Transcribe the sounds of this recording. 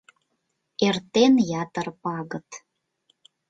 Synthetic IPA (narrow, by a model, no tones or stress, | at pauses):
ert̪enjɑt̪ərpɑɣət̪